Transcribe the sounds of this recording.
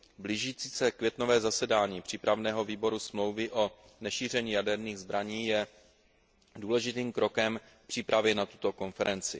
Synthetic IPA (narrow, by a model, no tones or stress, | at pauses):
bliʒiːt͡siːsɛkvjɛt̪no̞vɛːzasɛdaːɲiːpr̥iːpɾavnɛːɦoviːbo̞ɾusmlo̞wvɪʔo̞ | nɛʃiːr̝ɛɲiːjadɛɾniːɣzbɾaɲiːjɛ | duːlɛʒɪt̪iːmkɾo̞kɛm | fpr̥iːpɾavjɛnat̪u̥t̪o̞ko̞nfɛɾʔɛnt͡sɪ̰